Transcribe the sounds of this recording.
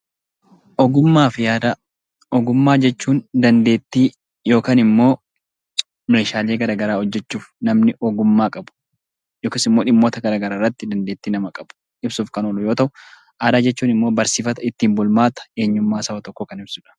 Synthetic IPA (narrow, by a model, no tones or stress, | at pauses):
ʔɔɡʊmːaːfɪjaːd̪a | ɔɡʊmːaːd͡ʒɛt͡ʃːuːnd̪ɐnd̪e̞ːt̪ːiː | jo̞ːkaːnɪmːo̞ː | meːʃaːle̞ːɡɐɾaːɡɐɾaːhɔd͡ʒːɛt͡ʃːuːfnɐmnɪʔɔɡʊmːaːkʼɐbʊ̥ | joːkɪːsɪmːoːᶑɪmːo̞ːt̪ɐɡɐɾaːɡɐɾaːrːɐt̪ːɪd̪ɐnd̪e̞ːt̪ːiːnɐmɐkʼɐb̥ʊ̥ | ɪbsuːfkɐnolʊjo̞ːt̪ɐʔʊ | ʔaːd̪aːd͡ʒɛt͡ʃːuːnɪmːo̞ːbɐɾsiːfɐt̪ɐɪt̪ːiːmbʊlmaːt̪ɐ̥e̞ːɲːʊmːaːsɐɐt̪ɔkːɔkɐnɪbsʊᶑɐ̥